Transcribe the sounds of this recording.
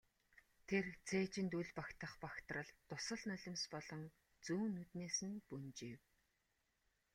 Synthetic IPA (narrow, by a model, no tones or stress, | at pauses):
t̪ʰert͡sʰeːt͡ɕɪ̆nt̪uɮʲpakt̪ə̆χpakt̪rə̆ɮt̪ʊsə̆ɮnœɮʲɪ̆mspɔɮɞ̆ŋ | t͡suːnːut̪neːsɘ̆npunt͡ɕiw